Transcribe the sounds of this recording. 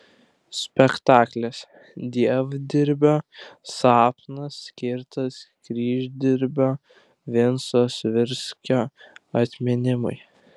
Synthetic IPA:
sʲpʲɛkt̪ɑːklʲɛs | d̪ʲiɛʋd̪ʲɪɾʲbʲoːsɑːpnɐsːʲkʲɪɾt̪ɐskɾʲiːʒʲd̪ʲɪɾʲbʲoː | ʋʲɪnsoːsʋʲɪɾʲsʲkʲoːɐt̪ʲmʲɪnʲɪmʊ̰ɪ

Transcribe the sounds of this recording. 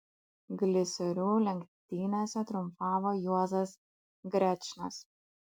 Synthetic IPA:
ɡlʲɪsʲɔɾʲuːlʲɛŋʲkt̪ʲiːnʲɛsʲɛt̪ɾʊmpɑːʋoːjuɔzɐs | ɡɾʲɛt͡ʃʲnɐs

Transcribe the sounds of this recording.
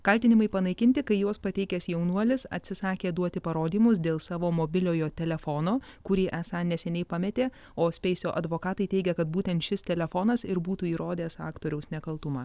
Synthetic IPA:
kɐlʲt̪ʲɪnʲɪmɐɪpɐnɐɪkʲɪnʲt̪ʲɪkɐɪjoːspɐt̪ʲɛɪkʲɛsjɛʊnuɔlʲɪsɐ̰t̪ʲsʲɪsɑːkʲeːd̪uɔt̪ʲɪpɐɾoːd̪ʲiːmʊs̬d̪ʲeːlˠsɑːʋoːmobʲɪlʲoːjoːt̪ʲɛlʲɛfoːnoːkʊɾʲiːʔɛsɑnʲɛsʲɛnʲɛɪpɑmʲɛt̪ʲeː | oːsʲpʲɛɪsʲoːʔɐd̪ʋoːkɑːt̪ɐɪtʲɛɪɡʲɛkɐt̪̚buːt̪ʲɛnt̪ʃʲɪst̪ʲɛlʲɛfoːnɐsɪɾbuːt̪uːiːɾoːd̪ʲeːsɑ̰ːkt̪oːɾʲɛʊsnʲɛkɐlˠt̪ʊmɑː

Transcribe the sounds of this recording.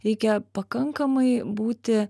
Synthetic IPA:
ɾʲɛɪkʲɛpɐkɐŋkɐmɐɪbuːt̪ʲɪ

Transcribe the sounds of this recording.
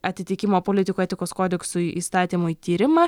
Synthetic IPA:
ɐt̪ʲɪt̪ʲɪkʲɪmoːpoːlʲɪt̪ʲɪkuɛt̪ʲɪkoːskoːd̪ʲɛksʊiʔḭːst̪ɑːt̪ʲiːmʊit̪ʲiːɾʲɪmɐ

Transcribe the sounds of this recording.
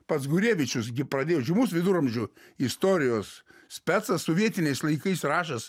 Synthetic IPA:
pɐt̪sɡʊɾʲeːʋʲɪt͡ʃʲʊsɡʲɪpɾɐd̪ʲeːjoːʒʲɪmuːsʋʲɪd̪ʊɾɐmʲʒʲʊ | ɪst̪oːɾʲɪjoːsʲpʲæt̪sɐssoːʋʲiɛt̪ʲɪnʲɛɪslˠɐɪkɐɪsrɑːʃɐs

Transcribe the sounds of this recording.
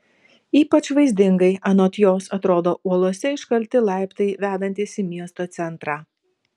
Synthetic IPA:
iːpɐt͡ʃʋɐɪzʲd̪ʲɪŋɡɐɪɐnoːt̪ʲjoːsɐt̪ɾoːd̪oːʔuɔlˠuɔsʲɛɪʃkɐlʲt̪ʲɪlˠɑˑɪpt̪ɐɪʋʲæːd̪ɐnʲt̪ʲiːsʲɪmʲiɛst̪oːt̪sʲɛnˑt̪ɾɑː

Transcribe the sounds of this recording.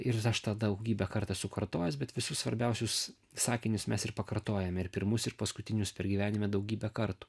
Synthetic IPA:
ɪrɐʃt̪ɑd̪ɐʊɡʲiːbʲɛkɐɾt̪ɑsʊkɐɾt̪oːjɛsbʲɛt̪ʋʲɪsʊssʋɐɾʲbʲɛʊsʲʊs | sɑːkʲɪnʲʊsmʲɛsɪrpɐkɐɾt̪oːjɛmʲɛɪɾpʲɪɾmʊsɪɾpɐskʊt̪ʲɪnʲʊspʲɛɾɡʲiːʋʲæːnʲɪmʲɛd̪ɐʊɡʲiːbʲɛkɐɾt̪u̥ː

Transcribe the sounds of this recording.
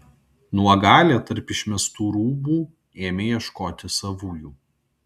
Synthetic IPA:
nuɔɡɑːlʲet̪ɐɾʲpɪʃʲmʲɛst̪uːɾuːbuː | eːmʲejiɛʃkoːt̪ʲɪsɐʋuːjuː

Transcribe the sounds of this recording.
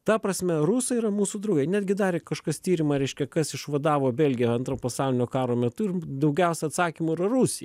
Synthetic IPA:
t̪ɐpɾɐsʲmʲɛrusɐiɾɐmuːsud̪ɾɐʊɡʲɐɪnʲæːd̪ʲɡʲɪd̪ɑːɾʲɪkɐʃkɐst̪ʲiːɾʲɪmɐɾʲɛɪʃʲkʲɛkɐsɪʃʋɐd̪ɑːʋoːbʲɛlʲɡʲɪjɛɐnt̪ɾoːpɐsɑʊlʲɪnʲoːkɑːɾoːmʲɛt̪ʊɪrd̪ɐʊɡʲɛʊsʲɛɐt̪sɑːkʲimuɪɾɐɾusʲɪjɛ

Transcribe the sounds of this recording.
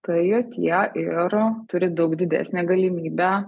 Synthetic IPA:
t̪ɐjoːt̪ʲiɛʔɪɾt̪ʊɾʲɪd̪ɐʊkd̪ʲɪd̪ʲæ̰ːsʲnʲɛːɡɐlʲɪmʲiːbʲæ

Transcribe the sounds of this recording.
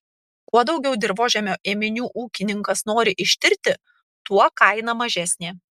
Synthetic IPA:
kuɔd̪ɒʊɡʲɛʊd̪ʲɪɾboːʒʲɛmʲoːʔeːmʲɪnʲuːʔuːkʲɪnʲɪŋkɐsnoːɾʲɪʔɪʃʲt̪ʲɪɾʲt̪ʲɪ | t̪uɔkɐɪnɐmɐʒʲæsʲnʲeː

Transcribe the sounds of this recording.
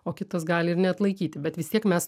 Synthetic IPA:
oːkʲɪt̪ɐsɡɑːlʲɪɪɾnʲɛɐt̪lˠɐɪkʲiːt̪ʲɪbʲɛt̪ʋʲɪst̪iɛkmʲɛs

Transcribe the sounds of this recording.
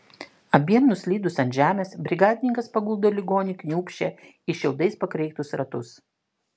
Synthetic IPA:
ɐbʲiɛmnʊsʲlʲiːd̪ʊsɐnt̪ʲʒʲæːmʲeːsbʲɾʲɪɡɑːd̪ʲɪnʲɪŋkɐspɐɡʊlˠd̪oːlʲɪɡoːnʲɪkʲnʲuːpʲʃʲt͡ʃʲɛ | ɪʃʲɛʊd̪ɐɪspɐkɾʲɛɪt̪ʊsɾɐt̪ʊs

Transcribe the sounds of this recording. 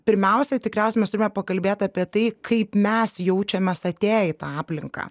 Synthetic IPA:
pʲɪɾʲmʲɛʊsʲɛt̪ʲɪkɾʲɛʊsʲɛmʲɛst̪ʊɾʲɪmɛpɐkɐlʲbʲeːt̪ʲɑːpʲiɛt̪ɐɪkʰɐɪpmʲɛsjɛʊt͡ʃʲɛmʲɛsɐt̪ʲeːjɪt̪ɑːɑːpʲlʲɪŋkɑ̰ː

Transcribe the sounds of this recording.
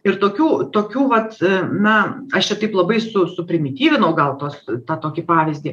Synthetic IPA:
ɪrt̪oːkʲuːt̪oːkʲuːʋɐt̪nɐɐʃt͡ʃʲɛt̪ɐɪplˠɐbɐɪsʊsʊpʲɾʲɪmʲɪt̪ʲiːʋʲɪnɐʊɡɐlˠt̪oːst̪ɑːt̪oːkʲipɑːʋʲɪzʲd̪ʲiː

